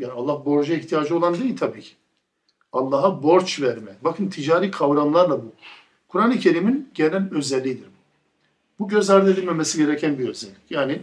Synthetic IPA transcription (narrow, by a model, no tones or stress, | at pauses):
jaːnalˠːahbo̞ɾd͡ʒaiht̪ʰijaːd͡ʒɯo̞lˠand̪ejilʲt̪ʰabiːcʰi̥ | alˠːaɦabo̞ɾt͡ʃvæɾmɛbakʰɯnt̪ʰid͡ʒaːɾiːkʰavɾanlˠaɾlˠabu | kʰuɾanɯcʰe̞ɾiminɟenælʲø̞zɛlʲːid̪iɾ | buɟø̞zaɾd̪ɯed̪ilʲmemesiɟe̞ɾɛcʰænbiø̞zɛlʲːicjaːni